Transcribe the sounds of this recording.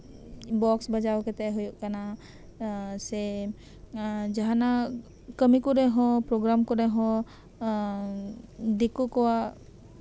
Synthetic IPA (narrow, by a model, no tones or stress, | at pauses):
bɔksbəd͡ʒawkɛt̪ɛɦojuʔkana | sɛ | d͡ʒaɦana | kəmikuɾɛɦɔ̃pɾoɡɾamkɔɾɛɦɔ̃ | d̪ekukɔwa